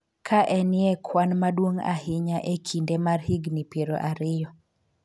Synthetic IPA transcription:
kʰaʔɛnɪɛkʰwanmadwoŋa̰ɦɪɲaʔekʰindemarhɪɡnipjeɾo̰ʔaɾɪjɔ

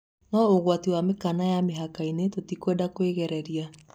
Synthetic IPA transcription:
nɔoɣwatiwamekanajameɦakainetotikwedakweɣɛɾɛɾia

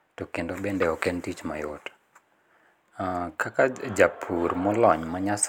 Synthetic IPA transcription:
tokendobendɛɔkentit͡ʃma̰jot | kakad͡ʒapʰurmɔlɔɲmaɲas

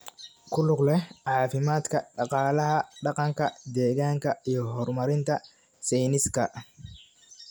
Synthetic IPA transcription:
kʰʊlʊɡlɛʕɑːfɪmaːd̪kʰɐɖɑqɑːlɐɦɐɖɑqɑŋkʰɐd̪ɛːɣaːŋkʰɐijɞɦɔrmɐɾɪnt̪ʰɐ | sɛjnɪskʰɐ

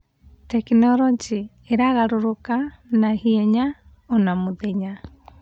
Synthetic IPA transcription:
tɛkinɔɾɔd͡ʒi | eɾaɣaɾoɾokanahiɛɲa | ɔnamuðɛɲa

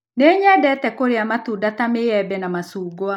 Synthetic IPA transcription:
neɲɛdɛtɛkoɾeamatudatameɛbɛnamasuːɡwa

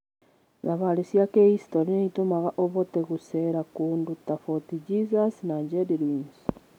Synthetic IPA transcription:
zaβalisjakeistoɾineitomaɣaʔoβoteɣuseɾakuːndutafotid͡ʒizasnaɲd͡ʒediɾiːns

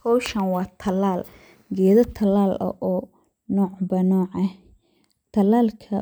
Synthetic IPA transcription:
kʰɔwʃɐnwɑːt̪ʰɐlaːl | ɡɛːðɐt̪ʰɐlaːlɐ̰ʔɔː | nɔːʕbɐnɔːʕɐh | t̪ʰɐlaːlkʰɐ̰

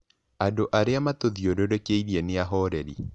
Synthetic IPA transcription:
andoʔaɾeamatoðiodoɾekeiɾieneaɦɔɾɛɾḭ

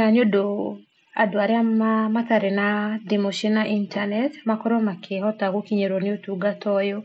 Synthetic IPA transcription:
aɲodo | a̰dwaɾɛaamat̪aɾenadimoʃinaʔintanɛtmakɔɾɔmakʰehɔtaɣokiɲeɾonɪotuɡatɔjo

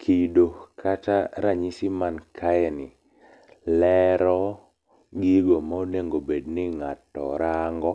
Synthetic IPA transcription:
kʰidokʰataɾaɲisimankʰajɛnɪ | lɛɾɔ | ɡiɡomaoneŋɡobednɪŋatːɔ̰ɾaŋɡɔ

